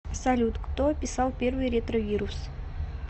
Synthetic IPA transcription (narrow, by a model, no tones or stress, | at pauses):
sɐlʲut̪kt̪opʲɪsɑlˠpʲe̞rvɨjɾʲet̪rovʲiɾus